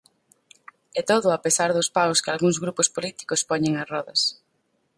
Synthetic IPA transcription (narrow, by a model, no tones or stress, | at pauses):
ɛt̪oðʊapesaɾðʊspawskɪalɣuŋzɣɾupʊspolit̪i̥kʊspɔɲeŋasrɔðɐs